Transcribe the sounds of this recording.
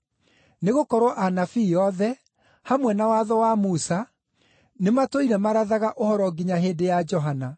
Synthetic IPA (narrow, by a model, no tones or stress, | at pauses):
neɣokɔɾɔʔanafiːɔðɛ | hamwɛnawaðɔwamusa | nematoiɾɛmaɾaðaɣaʔohɔɾɔɡiɲaɦedejad͡ʒɔɦana